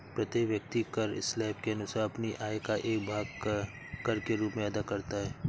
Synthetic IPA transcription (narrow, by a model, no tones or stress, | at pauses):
pɾɐt̪eʋjɐk̚t̪ikɐɾɪ̰slɛːp̚keɐnʊsaːɾɐpniʔaːekaʔeːkbʱaːɡ | kɐɾkeɾuːpmẽɐd̪akɐɾt̪aɦɛː